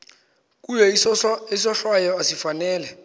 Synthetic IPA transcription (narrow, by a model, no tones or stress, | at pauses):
k̬ʼujɛisɔɬwajɔasifanɛːlɛ